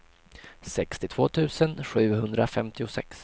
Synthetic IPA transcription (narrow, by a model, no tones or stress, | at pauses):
sɛkst̪ɪt̪ʰv̥oːt̪ʰʉ̟ːsənɧʉ̟ːɦɵnd̪ɾafɛmt̪ɪʊsɛ̰ks